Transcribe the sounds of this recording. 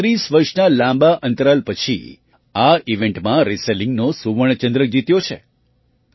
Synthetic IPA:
ɾisʋəɾʃnalãmbaʔə̃nt̪əɾalpət͡ʃʰḭ | aiʋẽɳʈmãɾiselĩŋɡnosuʋəɳ̃t͡ʃə̃nd̪ɾək̚d͡ʒit̪jot͡ʃʰḛ

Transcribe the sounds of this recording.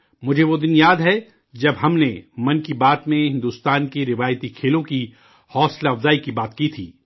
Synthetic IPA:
mʊd͡ʒʱeʋod̪ɪnjaːd̪ɦɛ | d͡ʒɐbɦɐmnemɐ̃nkibaːt̪mẽɦɪ̃nd̪uːst̪aːnkeɾɪʋaːjt̪ikʰeːlõki | hɔːslɐfzaːikibaːt̪kit̪ʰiː

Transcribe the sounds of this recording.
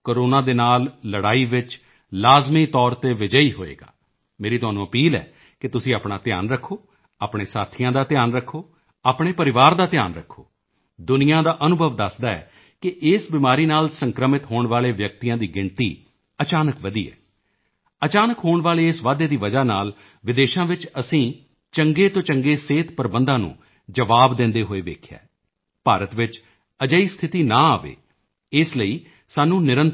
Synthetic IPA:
koːɾoːnãːd̪eːnaːlːəɽaːiːʋɪt͡ʃ | laːzmiːt̪ɔːɾt̪eːʋɪd͡ʒəiːɦo̰ːḛːɡa̰ː | meːɾiːt̪ʊaːnũːəpiːlɛ̰ː | kɪt̪ʊsĩːaːpɳaːt̪ɪja̰ːnɾəkʰːoː | aːpɳ̃eːsaːt̪ʰijãːd̪aːt̪ɪjaːnɾəkʰːoː | aːpɳ̃eːpəɾɪʋaːɾd̪aːt̪ɪja̰ːnɾəkʰːoː | d̪ʊnɪjãːd̪aːʔənʊbʱəʋd̪əsd̪aːɛ̰ː | kɪʔɪːsbɪmaːɾiːnaːlsəŋkɾəmɪt̪ɦoːɳʋaːleːʋjək̚t̪ijãːd̪iːɡɪɳt̪iː | ət͡ʃaːnəkʋəd̪ḭːɛ̰ː | ət͡ʃaːnəkɦoːɳʋaːleːɪsʋaːd̪eːd̪iːʋəd͡ʒaːnaːl | ʋɪd̪eːʃãːʋɪt͡ʃəsĩː | t͡ʃəŋɡeːt̪õːt͡ʃəŋɡeːseːt̪pəɾbənd̪ãːnṵ̃ː | d͡ʒəʋaːbd̪ɪ̃nd̪eːɦoːeːʋḛːkʰja̰ː | paːɾət̪ʋɪt͡ʃ | əd͡ʒəiːst̪ʰɪt̪iːnã̰ːaːʋḛː | ɪsləiː | saːnũːnɪɾə̃n

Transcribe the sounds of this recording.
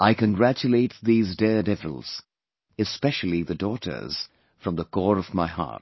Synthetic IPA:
aɪkɨ̃nɡɹæt͡ʃɨleɪt̪̚ðizdɛɹdɛvə̰l̩ˠz̥ | ɨspɛʃl̩ˠiðɨdɔɾə̰˞z̥ | fɹʌ̃mðəkʰɔɹʌvmaɪhɑ̰ɹt̚

